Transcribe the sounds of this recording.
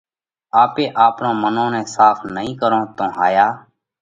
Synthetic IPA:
aːpeːʔaːpnõːmənõːnẽːsaːfʰnəɦĩːkəɾõːt̪õːɦaːjaː

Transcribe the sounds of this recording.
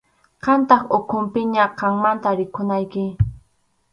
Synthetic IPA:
qɑnt̪ɑχokʰʊmpɪɲaqɑŋmant̪aɾɪkʰʊnajkɪ

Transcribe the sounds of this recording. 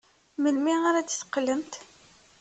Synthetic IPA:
məlmiaɾædθqːləmt̪

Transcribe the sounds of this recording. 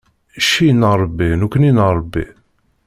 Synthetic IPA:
ʃinəɾˤbːinukəninəɾˤbːḭ

